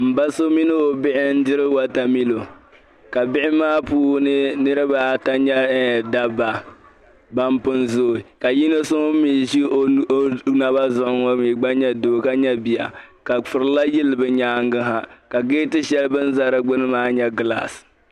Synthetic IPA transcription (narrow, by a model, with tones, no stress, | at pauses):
m̩˨ba˦so˦mi˦nɨ˦o˨bɪ˦ʔɪ˦n̩˦dɪ˦ɾɨ˦wa˦ta˨mi˦lo˨ | ka˨bɪ˦ʔɪ˦maː˦puː˦nɨ˦nɨ˦ɾɨ˦ba˨ta˦ɲɛ˦da˦ba˨ | ba˦mpɨ˦nzoː˦˨i˨ka˨ji˦nɨ˦so˦mi˨ʒi˦na˦ba˦zʊ˦ʔʊ˦ŋa˦miː˨ɡ͡ba˦ɲɛ˦doː˨ka˦ɲɛ˦bi˨ja̰˨ka˨fʊ˨ɾɨ˦la˦jɪ˦lɨ˨bɨ˦ɲaː˦ŋɡɨ˦ɦa˦ka˨ɡeː˦tɨ˦ʃɛ˦lɨ˦bɨ˦n˦za˦ɾɨ˦ɡ͡bʊ˦nɨ˦maː˦ɲɛ˦ɡɨ˨la̰˨s